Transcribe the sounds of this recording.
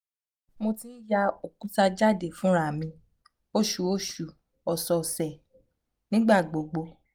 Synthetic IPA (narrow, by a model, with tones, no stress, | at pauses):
mo˧ti˦ja˧o˨kũ˦ta˧d͡ʒa˦˨de˨fũ˨˦ɾa˦˨mĩ˧ | o˦ʃu˨o˦˨ʃu˨ | ɔ˨sɔ˧˨sɛ˨ | nĩ˦ɡ͡ba˦˨ɡ͡bo˨ɡ͡bo˧